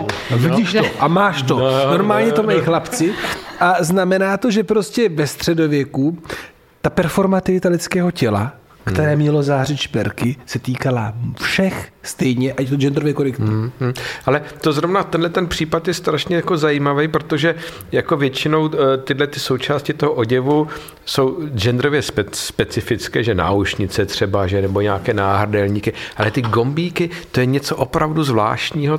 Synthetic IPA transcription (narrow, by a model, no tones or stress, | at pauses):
viɟiʃt̪oʔamaːʃt̪o̞no̞ɾmaːlɲɛt̪o̞majxlapt͡sɪʔaznamɛnaːt̪o̞ʒɛpɾo̞scɛvɛst̪r̝̥ɛdo̞vjɛku | t̪apɛɾfo̞ɾmat̪ɪvɪt̪alɪt͡skɛːɦo̞cɛla̰ | kt̪ɛɾɛːmɲɛlo̞zaːrɪt͡ʃpɛ̰ɾkɪsɛt̪iːkalafʃɛxst̪ɛjɲɛʔact̪od͡ʒɛnd̪ɾovjɛkoɾɪkt̪̩ː | ʔalɛt̪ozɾo̞vnat̪ɛndlɛt̪ɛnpr̝̥iːpat̪jɛst̪ɾaʃɲɛjako̞zajiːmavɛjpɾot̪o̞ʒɛ | jako̞vjɛt͡ʃɪno̞wt̪ɪdlɛt̪ɪso̞wt͡ʃaːscɪt̪oɦoʔoɟɛvu | so̞wd͡ʒɛnd̪ɾovjɛspɛspɛt͡sɪfɪt͡skɛːʒɛna̰ːuʃɲɪt͡sɛt̪r̝̥ɛbaʒɛnɛbo̞ɲaːkɛːnaːɦr̩dɛlɲiːkɪʔalɛt̪ɪɡo̞mbiːkɪt̪ojɛɲɛt͡soʔopɾavduzvla̰ːʃtɲiːɦo